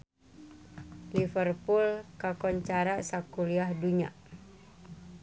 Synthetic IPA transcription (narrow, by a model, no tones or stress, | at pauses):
lifərpulkakɔɲt͡ʃaɾasakuliahduɲa̰